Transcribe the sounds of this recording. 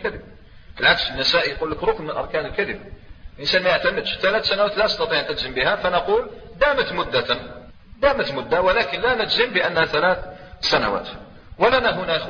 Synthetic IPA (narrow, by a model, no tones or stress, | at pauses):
kæd̪əb | fəlʕaksənːæsæʔijqulːəkɾˤok̪nmənlʔɑ̰ɾˤkænəlkæd̪əb̚lʔənsænmæjəʕt̪æməd̪ʃt̪ælæt̪sænawæt̪lænəst̪ɑt̪ˤiʕnʔəd̪zəmbihæfænəqul | d̪æmət̪mʊd̪ːæ | d̪æmət̪mʊd̪ːawəlækənlænəd͡ʒ̪zəmbəʔənːhæt̪ælæt̪sænæ̰wæ̰t̪ | wəlænæɦunæx